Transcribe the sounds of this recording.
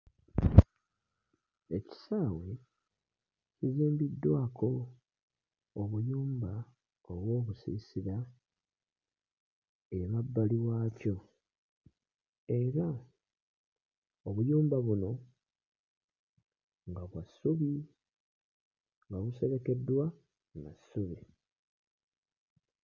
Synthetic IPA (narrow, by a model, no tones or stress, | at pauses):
e̞ci̥saːwe̞ | ciziːmbidːwaːkʰo̞ | oβujuːmba | o̞βwo̞ːβusḭsiɾa | eβabːaliwaːco̞ | e̞ɾa | oβujuːmbaβuno̞ | ŋɡaβwasːuβi | ŋɡaβuse̞βe̞ke̞dːwa | nasːuβi